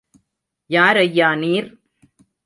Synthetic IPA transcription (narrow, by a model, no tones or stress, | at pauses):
jaːɾɐjːaːniːɾ